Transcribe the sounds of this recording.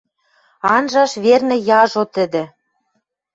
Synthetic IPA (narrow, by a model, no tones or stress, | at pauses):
ɑnʒɑʃβernĕjɑʒot̪ə̆d̪ĕ